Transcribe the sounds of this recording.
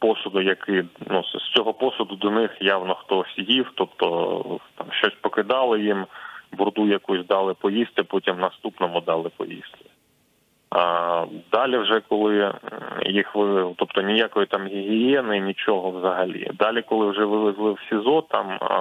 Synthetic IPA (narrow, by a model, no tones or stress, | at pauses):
pɔsʊd̪ʊjɐkɪnust͡sʲɔɦɔpɔsʊd̪ʊd̪ɔnɪxjawnɔxt̪ɔsʲjiwt̪ɔpt̪ɔt̪ɑmʃt͡ʃɔsʲpɔkɪd̪ɑlˠɪjimbʊrd̪ujɐkusʲd̪ɑlˠɪpɔjisʲt̪ʲɪpɔtʲimnɐst̪upnɔmʊd̪ɑlˠɪpɔ̰jḭst̪ʲɪ | d̪ɑlʲiwʒɛkɔlˠɪ | jixʋɪlˠɪzlˠt̪ɔpt̪ɔnʲɪjakɔjit̪ɑmɦʲɪɦʲɪjɛnɪnʲit͡ʃɔɦɔwzɐɦɐlʲḭd̪ɑlʲikɔlˠɪwʒɛʋɪlˠɪzlˠɪwsʲizɔt̪ɑ̰m